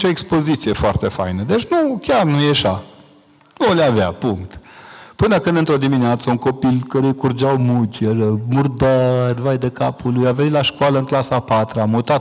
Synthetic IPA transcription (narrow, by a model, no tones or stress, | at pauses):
t͡ʃo̞ekspo̞zit̪sije̞foart̪e̞fa̰jnəd̪et͡ʃnukʲarnujeʃa | nuleava̰puŋkt̪pɨnəkɨnd̪ɨnt̪ɾo̞d̪imineat̪səuŋko̞pilkəɾejkurd͡ʒawmut͡ʃeɾəmurd̪ərʲvajd̪ekapulujavenit̪laʃkwaləɨŋklasapat̪ɾəamut̪a